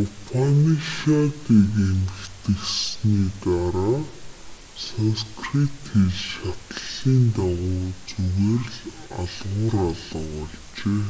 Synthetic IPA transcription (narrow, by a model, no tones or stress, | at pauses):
ʊpʰaniʃat̪ikemɘkt̪ɘ̆ksniːt̪aɾaː | sanskrit̪xiɮʃat̪əɮ̥iːnt̪aʁʊːt͡suɣeːrɮ | aɮʁʊːɾaɮə̆χɔɮ | t͡ɕeː